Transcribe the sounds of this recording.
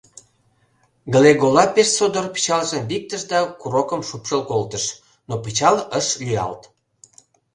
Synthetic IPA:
ɡəleɡolɑpeʃsod̪orpi̥t͡ɕɑlʒĕmbik̚t̪əʃd̪ɑkuɾokəmʃupʃəlkolt̪əʃ | nopit͡ɕɑləʃlyɑ̰lt̪

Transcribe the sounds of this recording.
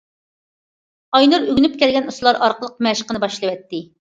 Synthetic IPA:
ɑjnuɾøɡʲnyp̚kʲɛlɡʲɛnusulˠɑɾʔɑɾqəlˠəq̚mɛʃə̥qənɨbɑʃlˠɨwɛt̪ːɪ

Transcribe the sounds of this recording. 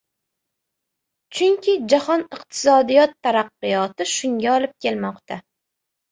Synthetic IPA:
t͡ʃʰʊŋkʲʰɪd͡ʒahɒnɨqt̪ʰɪ̥sɒd̪ijɒt̪ʰːaɾaqːɨjɒt̪ɪʃʊŋɡʲaɒlˠɪp̚kʲʰe̞lmɒqt̪ʰa

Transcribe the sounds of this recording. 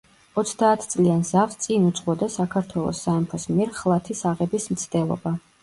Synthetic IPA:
ɔt̪sʰd̪aːt̪ʰt̪sʼlianzavst̪sʼinut̪sʼqʼwɔd̪asakʰaɾt̪ʰwɛlˠɔ̰sːaɛmpʰɔsmiɛɾχlˠat̪ʰisaʁɛbismt̪sʰd̪̥ɛlˠɔ̰ba

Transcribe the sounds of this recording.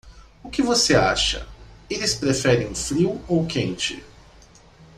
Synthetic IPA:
ʊkɪvosea̰ʃɐ̰elɪspɾefɛɾẽj̃fɾiwowkẽnt͡ʃɪ̰

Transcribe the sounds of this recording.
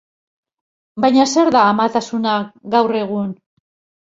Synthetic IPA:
bajɲase̞ɾðaːmat̪asunakɡawre̞ɣ̞un

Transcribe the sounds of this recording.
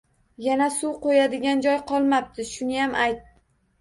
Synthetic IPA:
janasuwqʰojad̪ɪɡʲand͡ʒɒjqʰɒlˠmap̚t̪ʰɪʃʊnɪjamʔajt̪̚ːɪ

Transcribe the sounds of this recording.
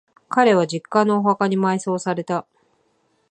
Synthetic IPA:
kaɾe̞β̞ad͡ʑikːano̞ːɦakaɲ̟imaiso̞ːsaɾe̞t̪a

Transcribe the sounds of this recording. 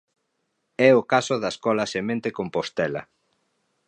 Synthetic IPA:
ɛʊkasʊðɐeskɔlɐsemẽnt̪ekompost̪ɛlɐ̰

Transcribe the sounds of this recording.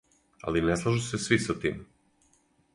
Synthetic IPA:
a̰lineslˠaʒusesʋisat̪ḭːm

